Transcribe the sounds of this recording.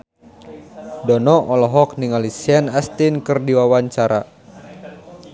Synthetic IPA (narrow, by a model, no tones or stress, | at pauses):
dɔnɔʔɔlɔɦɔk̚niŋalisiɛnast̪inkɨrdiwawaɲt͡ʃaɾa